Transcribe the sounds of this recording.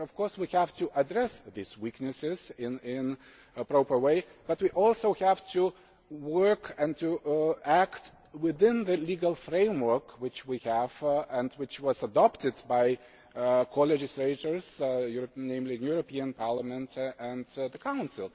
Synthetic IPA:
ʌv̥kʰɔɹswihæv̥tɨʔədɹɛsðizwiknɨsɪzɪ̃nɪ̃n | pɹoʊpə˞weɪb̥ʌt̚wiʔɔlˠsoʊhæv̥tʰu | wɜ˞kɨ̃ntɨækt | wɪðɪ̃nðɨliɡəlˠfɹẽɪ̃mwə˞kwɨt͡ʃwihæv̥ɨ̃ndwɨt͡ʃwʌzədɑptɨdbaɪ | kʰolɛd͡ʒɨsleɪtə˞z̥juɹnẽɪ̃mlijuɹəpiɨ̃npʰɑɹləmɨ̃ntɨ̃nðəkʰãʊ̃nsɨlˠ

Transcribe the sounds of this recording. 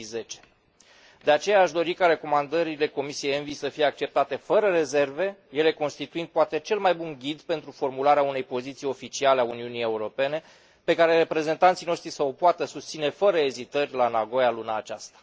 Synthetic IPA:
ze̞t͡ʃe̥ | d̪e̞at͡ʃe̞jaːʃd̪o̞ɾikaɾe̞ko̞mand̪əɾile̞ko̞misijejenvisəfije̞ak̚t͡ʃe̞p̚t̪at̪e̞fəɾəre̞ze̞rve̞je̞le̞ko̞nst̪it̪uind̪̚poat̪e̞t͡ʃe̞lmajbunɡʲid̪pent̪ɾufo̞rmulaɾeaune̞jpo̞zit̪sijo̞fit͡ʃialeauniunije̞uɾo̞pe̞ne̞ | pe̞kaɾe̞re̞pɾe̞ze̞nt̪ant̪sijno̞ʃt̪ɾisəopoat̪əsust̪sine̞fəɾəe̞zit̪ərʲlanaɡo̞jalunaːt͡ʃast̪ḁ

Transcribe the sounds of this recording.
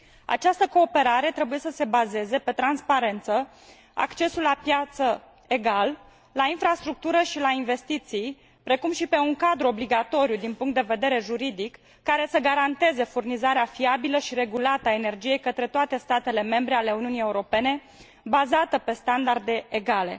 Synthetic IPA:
a̰t͡ʃast̪əko̞ːpe̞ɾaɾe̞t̪ɾe̞buje̞səse̞baze̞ze̞pe̞t̪ɾanspaɾe̞nt̪sə | a̰kt͡ʃe̞sulːapjat̪sə | e̞ɡal | lainfɾast̪ɾuk̚t̪uɾəʃilainve̞st̪it̪sij | pɾe̞kumʃipe̞uŋkad̪ɾuo̞bliɡat̪o̞ɾijud̪inpuŋkt̪d̪e̞ve̞d̪e̞ɾe̞ʒuɾid̪ikː | aɾe̞səɡaɾant̪e̞ze̞furnizaɾeafiabiləʃiɾe̞ɡulat̪əaene̞rd͡ʒije̞jkət̪ɾe̞t̪oat̪e̞st̪at̪e̞le̞me̞mbɾe̞ale̞uniunije̞uɾo̞pe̞ne̞ | bazat̪əpe̞st̪and̪ard̪e̞eɡale̞̰

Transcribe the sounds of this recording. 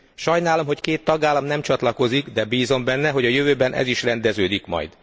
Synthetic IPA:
ʃɒjnaːlo̞mɦo̞ckeːt̪ːɒɡaːlːɒmnɛmt͡ʃɒt̪lɒko̞ziɡd̪ɛbiːzo̞mbɛnːɛɦo̞ɟɒjøvøːbɛnʔɛ̰ziʃrɛnd̪ɛzøːd̪ikmɒ̰jd̪

